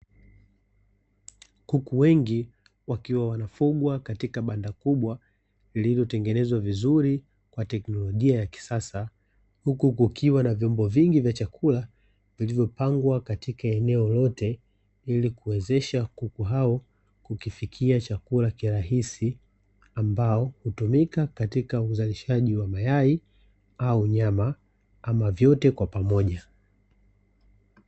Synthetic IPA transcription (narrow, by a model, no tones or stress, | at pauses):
hukuwɛŋɡi | wakiwawanafuɠwakatikaɓandakuɓwa | ililjɔtɛŋɡɛnɛzwavizuɾi | kwatɛknɔlɔʄiajaki̥sasa | hukukukʰiwanavjɔmbɔviŋɡivjat͡ʃakʰula | vilivjɔpaŋɡwakatikaɛnɛɔlɔtɛ | ilikuwɛzɛʃakukuɦaɔ | kukifikʰiat͡ʃakulakiɾaɦisi | ambaɔhutumikakatikauzaliʃaʄiwamajai | auɲama | amavjɔtɛkwapamɔʄa